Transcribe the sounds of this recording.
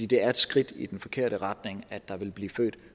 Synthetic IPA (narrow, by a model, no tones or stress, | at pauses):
ḭːd̥e̝æɐe̝d̥sɡ̥ʁid̥id̥enfɒ̽kʰe̝ɐ̰ɾəʁɑd̥ne̝ŋæd̥ɑ̈ʋe̝lb̥liːfø̰ːd̥